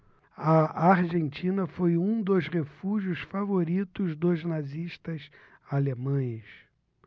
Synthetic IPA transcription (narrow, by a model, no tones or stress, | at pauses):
ɐaɾʒẽnt͡ʃĩnɐfojũd̪osʁefuʒʊsfavoɾit̪ʊzd̪ʊznaziʃt̪ɐs | alemɐ̃j̃s